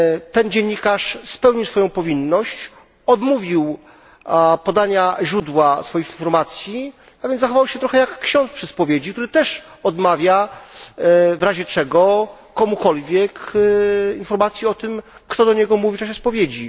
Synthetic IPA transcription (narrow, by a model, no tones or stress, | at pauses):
t̪ɛnd͡ʑeɲːikaʂspɛwɲiwsfɔjɔ̃w̃pɔvʲinːɔɕt͡ɕ | ɔd̪muvʲiw | pɔd̪aɲaʑɾud̪wasfɔjixinfɔɾmat̪sʲji | avʲjɛnzaxɔvawɕɛt̪ɾɔxɛjakːɕɔ̃nt̪spʂɘspɔvʲjed͡ʑikt̪uɾɘt̪ɛʂ | ɔd̪mavʲja | vɾaʑɛt͡ʂɛɡɔkɔmukɔlvʲjɛk | infɔɾmat̪sʲjiɔt̪ɘmkt̪ɔd̪ɔɲɛɡɔmuvʲit͡ʂaɕ̬ɛspɔvʲjed͡ʑi